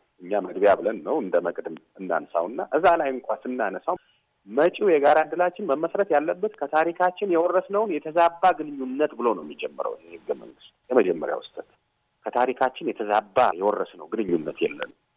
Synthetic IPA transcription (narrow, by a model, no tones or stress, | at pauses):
ʔɨɲːaməɡbjabɨlənːəwɨnd̪əməkʼd̪ɨm | ɨnːa̰nsa̰wɨnːaʔɨzalajɨŋkʷʼasɨnːanəsaw | mət͡ʃʼujɛɡaɾand̪ɨlat͡ʃːɪnməməsɾət̪jalːəbːət̪kʰət̪ʰaɾikʰat͡ʃːɪnjɛwɔrːəsnəwnjɛt̪ʰəzabːaɡɨnɨɲːunːət̪bɨlo̞nəwmːid͡ʒɛmːɨɾə̰wjɛhɨɡːəmə̰ŋɡɨst̪jɛməd͡ʒɛmːə̰ɾja̰wʊst̪ʼət̪ | kʰət̪ʰaɾikʰat͡ʃːɪnjɛt̪ʰəzabːa̰jɛwɔrːəsnəwɡɨnɨɲːunːət̪jɛ̰lːə̰nəw